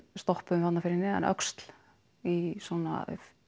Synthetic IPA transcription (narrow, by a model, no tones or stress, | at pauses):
st̪ɔhpʏmvat̪nafɪɾɪnːɪɛ̰nʔœ̰kst̪l̥ | isɔna̰